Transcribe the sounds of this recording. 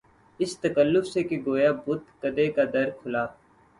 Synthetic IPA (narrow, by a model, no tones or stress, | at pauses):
ɪst̪əkəlːʊfsekeɡoːjaːbʊt̪kəd̪ekad̪ɐɾkʰʊlaː